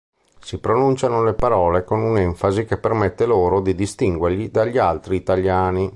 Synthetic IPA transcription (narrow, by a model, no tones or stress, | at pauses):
sipɾonunt͡ʃanolepaɾɔːlekonunɛɱfazikepːermet̪ːeloːɾod̪id̪ist̪iŋɡwerʎid̪aʎːialt̪ɾiːt̪aʎjaːni